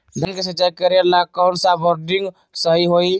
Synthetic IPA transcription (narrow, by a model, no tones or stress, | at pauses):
d̪ʱənkesət͡ʃajkəɾelakːansabɔɾɖiŋɡ | səɦiɦoi